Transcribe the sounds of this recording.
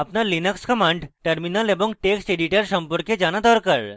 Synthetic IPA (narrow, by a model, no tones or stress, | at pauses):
apnaɾlinakskɔmaɳɖʈeɾminaleboŋʈeksʈeɖiʈaɾʃɔmpoɾked͡ʑanad̪ɔɾkaɾ